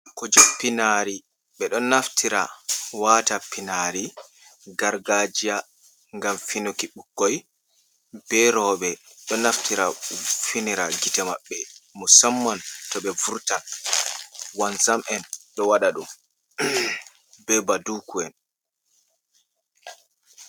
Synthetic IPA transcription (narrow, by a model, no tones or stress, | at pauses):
kɔd͡ʒɔpinaɾi | ɓɛɗɔnːaftʰiɾa̰waːtapinaɾi | ɡaɾɡad͡ʒija | ŋɡamfinokiɓukːɔj | bɛɾɔːɓɛɗɔnːaftiɾafiniɾaɡitɛmaɓːɛmusamːantɔɓɛvuɾta | wansamʔɛnɗɔwaɗaɗum | bɛbadukuɛn